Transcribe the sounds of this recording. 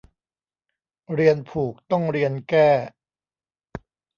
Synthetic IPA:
ɾi˧ənpʰuː˨˩k̚t̪ɔ˥˩ŋɾi˧ənkɛː˥˩

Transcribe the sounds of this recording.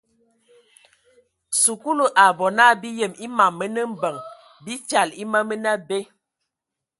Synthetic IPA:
su˨ku˦lu˨ʔa˨bɔ˨na˦˨bi˦jə˨mi˦ma˨mːə˦nə˦m̩˦bə˨ŋ | bi˦ta˨li˦mə˦mə˦na˦be˦

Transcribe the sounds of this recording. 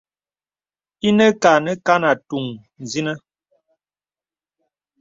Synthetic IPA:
i˦nə˦ka˨nə˦ka˦na˨tu˨ŋ | n˨zi˦nə˦

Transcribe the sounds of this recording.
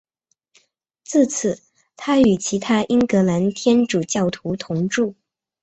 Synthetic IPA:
t͡sɹ̩˥˩t͡sʰɹ̩˨˩˦ | t̪ʰa˥y˨˩t͡ɕʰi˧˥t̪ʰa˥ʔi˥ŋkɤ˧˥la˧˥nt̪ʰjɛ˥nʈ͡ʂu˨˩t͡ɕjɑ˥˩ʊt̪ʰu˧˥t̪ʰʊ˧˥ŋʈ͡ʂu˥˩

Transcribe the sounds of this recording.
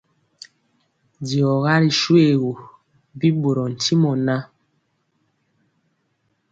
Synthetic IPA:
di˨ɔ˨ɣa˦ɾi˨ʃwe˨ɣo˨ | bi˦bo˨ɾɔ˨n̩˨ti˦mɔ˨na˦

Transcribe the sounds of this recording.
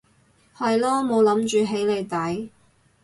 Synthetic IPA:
hɐ˨jlɔː˥mo˨˧wlɐ˨˥mt͡ʃyː˨˧ɦe˨˥jle˨˧jt̪ɐ˨˥j

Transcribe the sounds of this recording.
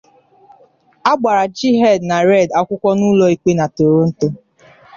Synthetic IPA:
a˦ɡ͡ba˨ɾa˨d͡ʒi˦ɦɛ˦˨dna˨ɾɛ˦˨da˦kʷʊ˦kʷɔ˦nu˦lɔ˦i˨k͡pe˦na˨to˨ɾo˦n̩˦to˦

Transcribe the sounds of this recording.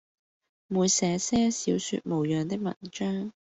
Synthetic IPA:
muː˨˧jsɛː˨˥sɛː˥siː˨˥wsy̰ː˧t̚mo˨˩wjœː˨ŋt̪ɪ˥k̚mɐ̰˨˩nt͡ʃœː˥ŋ

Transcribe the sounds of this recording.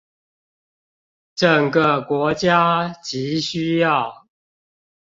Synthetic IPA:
ʈ͡ʂə˨˩ŋɡə˨kwɔ˨˦˥t͡ɕja˦t͡ɕi˨˦ɕy˦jɑ˥˨ʊ

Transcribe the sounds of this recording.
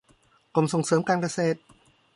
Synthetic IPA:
ko˨˩mso˨˩ŋsɤː˩˦mkaː˧nka˧seː˨˩t̪̚

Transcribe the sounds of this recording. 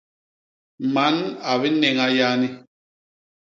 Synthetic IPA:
ma˨˦na˨βi˦nɛ˨ŋa˦ja˦ni˦

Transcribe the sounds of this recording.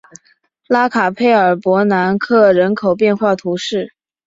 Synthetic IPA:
la˥kʰa˨˩pʰe˥˩ɪə˞˨˩pwɔ˧˥na˧˥nkʰɤ˥˩ɻə˧˥nkʰo˨˩ʊpjɛ˥˧nxwa˥˩t̪ʰu˧˥ʂɻ̩˥˩

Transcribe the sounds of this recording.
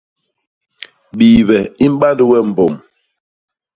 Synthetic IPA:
ɓiː˨βɛ˨i˦m̩˦ɓa˦ndu˦wɛ˦˨m̩˨bo˨m

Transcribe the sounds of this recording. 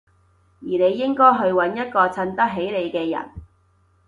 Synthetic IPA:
jiː˨˩ne˨˧jːɪ˥ŋkɔː˥jɦɵ˧ɥwɐ˨˥njɐ˥t̚kɔː˧t͡sʰɐ˧nt̪ɐ˥k̚ɦe˨˥jle˨˧jkɛː˧jɐ̰˨˩n

